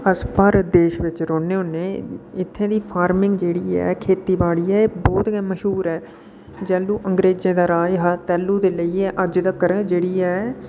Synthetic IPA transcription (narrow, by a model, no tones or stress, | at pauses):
əspəɾd̪eːʃʋɪt͡ʃɾoːneːʊnːẽːɪt̪ʰːẽːd̪iːpʰaːɾmɪ̃ŋɡd͡ʒeːɽiːɛ̰ːkʰeːt̪iːbaːɽiːɛːeːbɔːt̪ɡɛːməʃɦuːɾɛː | d͡ʒɛːluːʔəŋɡɾeːd͡ʒẽːd̪aːɾaːjɦaːt̪ɛːlːuːd̪eːləiːɛːʔəd͡ʒd̪əkəɾd͡ʒeːɽiːɛː